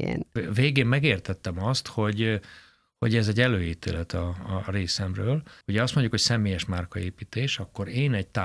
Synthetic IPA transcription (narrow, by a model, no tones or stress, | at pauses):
ḛnveːɡeːmːɛɡeːrt̪ɛt̪ːɛmɒst̪ho̞ɟ | hoɟɛzɛɟːɛløːjiːt̪ḛːlɛt̪ɒreːsɛmrøːlhuɟɛɒst̪moɲɟukho̞csɛmeːjɛʃmaːrkɒeːpiːt̪eːʃɒkːo̞ɾeːnɛɟt̪a